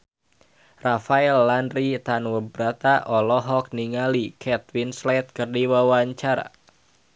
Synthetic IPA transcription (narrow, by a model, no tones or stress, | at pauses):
rafaɛlːanrit̪anwəbɾat̪aʔɔlɔɦɔk̚niŋalikʰɛt̪̚winslɛt̪̚kərdiwawaɲt͡ʃaɾa̰